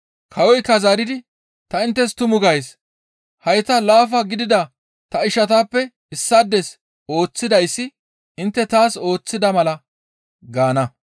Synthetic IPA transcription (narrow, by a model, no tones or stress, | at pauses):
kʰɐwɔjkːɐzaːɾɪd̪ɪ | t̪ɐɪnt̪ːɛst̪ʊmʊɡɐjs | hɐjt̪ɐlaːfɐɡɪd̪ɪd̪ɐ | t̪ɐɪʃɐt̪aːpːɛ | ɪsːad̪ːɛs | o̞ːt͡sːɪd̪ɐjsːɪ | ɪnt̪ːɛt̪aːso̞ːt͡sːɪd̪ɐmɐlɐ | ɡaːnɐ